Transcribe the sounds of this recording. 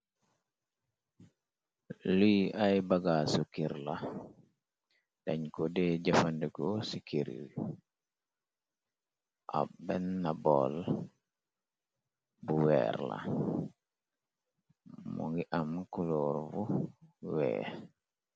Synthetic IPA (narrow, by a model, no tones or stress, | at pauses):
lijʔajbaɡasukiɾla | d̥aɲkɔdɛɟafandɛkosikiɾḭl | ʔa̰bɛnːabɔl | buwɛ̰ɾla̰ | mṵŋɡiʔamkulɔɾvuwɛ̰ː